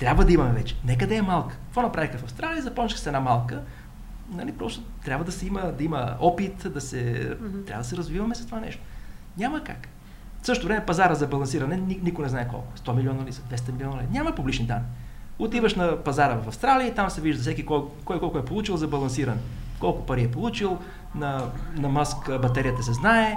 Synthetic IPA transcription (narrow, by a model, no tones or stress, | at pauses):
t̪ɾʲabvəd̪ɐimɐmɛvɛt͡ʃɛ̥nɛk̬əd̪ɛɛmalˠkə̥t̪vɔnɐpɾavixəfɐfst̪ɾalijəzɐpɔt͡ʃnixsɛdnamalˠkə | nɐlipɾɔst̪ot̪ɾʲabvəd̪ɐsɛiməd̪ɐimə̰ɔpit̪d̪ɐsɛt̪ɾavɐd̪ɐsɛɾɐzvivɐmɛsɐst̪ovanɛ̰ʃt̪o̥ | nʲaməka̰k | fsɤʃt̪ovɾɛmɛpɐzaɾəzɐbɐlˠɐnsiɾɐnɛninikonɛznaɛkɔ̰lˠkʊɛst̪ɔmilʲiɔnɐlisɐd̪vɛst̪ɐmilʲiɔnəlɛnʲaməpublʲit͡ʃnid̪anːi | ot̪ivəʃnɐpɐzaɾəvɐfɐfst̪ɾaliəit̪amsɛviʒd̪ɐfs̬ɛkikɔkɔjkɔlˠkʊɛpolˠut͡ʃilˠzɐbɐlˠɐns̬iɾɐnɛkɔlˠkʊpɐɾiɛpolˠut͡ʃilˠ | nɐnɐmaskbɐt̪ɛɾijət̪əsɛznaɛ